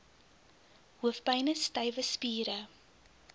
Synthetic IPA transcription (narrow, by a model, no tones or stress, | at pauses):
huəfpɐjnəstɐjvəspiːɾə